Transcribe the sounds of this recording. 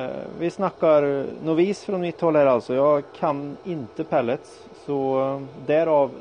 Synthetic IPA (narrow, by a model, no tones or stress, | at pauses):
ʋɪsnɑkːɑɾnʊʋiːsfɾɔnmɪt̪ːhɔlhæːɾɑlsɔjɑkʰɑnɪnt̪əpʰɛlːət̪s | sɔd̪æɾɑʋ